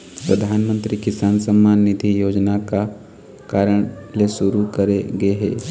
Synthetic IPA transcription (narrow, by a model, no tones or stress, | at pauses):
pɾɐd̪ʱaːnmə̃nt̪ɾikɪsaːnsə̃mːaːnːɪd̪ʱijoːd͡ʒnaka | kaːɾəɳ̃leʃʊɾukɐɾeɡɐeɦɛ̰ː